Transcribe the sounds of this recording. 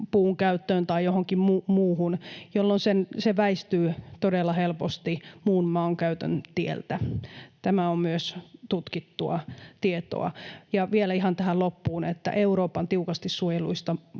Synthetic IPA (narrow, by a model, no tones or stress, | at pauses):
puːŋkæyt̪ːøːnt̪ɑijjohoŋkimmumuːhunjolːonsenseʋæist̪yːt̪odelːɑhelpost̪imuːnmɑːŋkæyt̪ø̰nt̪iḛlt̪æt̪æmæommyøst̪ut̪kit̪ːuɑ̰t̪iet̪o̰ɑ̰jɑʋielæihɑnt̪æhælopːuːnet̪ːæ̰ʔeuɾoːpɑnt̪iukɑst̪issuojeluist̪ɑ